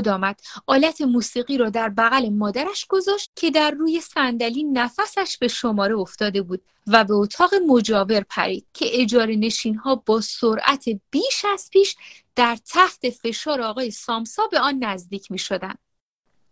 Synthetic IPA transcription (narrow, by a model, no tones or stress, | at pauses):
d̪ɒːmæd̪̥ʔɒːlæt̪ʰe̞muːsiːɣiːɾɒːd̪æɾbæɣæle̞mɒːd̪æɾæʃɡ̥o̞zɒːʃt̪̚cʲʰe̞d̪æɾːuːje̞sænd̪æliːnæfæsæʃb̥e̞ʃo̞mɒːɾeo̞ft̪ɒːd̪e̞buːd̪̥̚ | væbe̞ot̪ʰɒːɣe̞mo̞d͡ʒɒːve̞ɾpʰæ̰ɾḭːd̪̥cʰe̞ʔed͡ʒɒːɾe̞ne̞ʃiːnɦɒːbɒːsoɾʔæt̪ʰe̞b̥iːʃæz̥pʰiːʃ | d̪̥æɾt̪ʰæht̪ʰe̞fe̞ʃɒːɾeɒːɣɒːje̞sɒːmsɒːbe̞ɒːnːæzd̪iːcʰmiːʃo̞d̪ænd̪̥